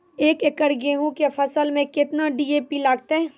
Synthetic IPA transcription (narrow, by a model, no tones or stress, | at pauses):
eːkekəɾɡẽɦũkefʰɐsəlmẽkɪt̪naɖiːeːpilaːɡ̚t̪aɦɛː